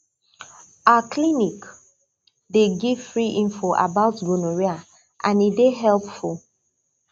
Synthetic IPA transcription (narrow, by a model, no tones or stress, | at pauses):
akʰlinik | deɡiv̥fɹiʔĩɱfɔʔa̰baʊtɡunoɹia | ʔãnideɦɛlpful